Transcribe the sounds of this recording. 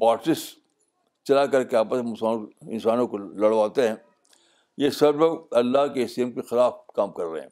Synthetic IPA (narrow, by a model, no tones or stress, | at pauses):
baːɾsɪs | t͡ʃɐlakɐɾkeaːpəssaɪ̰̃nsaːnõkolɐɽ̤ʋaːt̪eɦɛ̃ː | jesɐbɾɐkt̪ɐlːaɦkeɪsiːəmkixɪlaːfkaːmkɐɾːɐɦḛɦɛ̰̃ː